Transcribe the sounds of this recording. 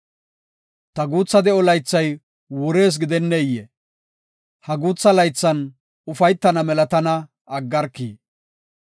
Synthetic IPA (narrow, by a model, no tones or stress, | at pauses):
t̪ɐɡuːt͡sːɐd̪ɛɔlɐjt͡sːɐj | wʊɾe̞ːs̬ɡɪd̪ɛnːɛɪjːe | hɐɡuːt͡sːɐlɐjt͡sːɐn | ʊfɐjt̪ːɐnɐmɛlɐt̪ɐnɐ | ɐɡːɐɾkːḭː